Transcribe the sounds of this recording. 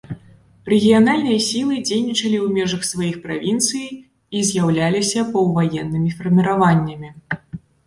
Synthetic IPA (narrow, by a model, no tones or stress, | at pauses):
rɛɣʲijanalʲnɨjɐsʲilˠɨd͡zʲejnʲit͡ʂɐlʲiwmʲɛʐɐxsvajixpɾa̰vʲint̪sɨj | izʲjawlʲalʲisʲɐpɐwvajɛnːɨmʲifɐrmʲiɾavanʲːɐmʲi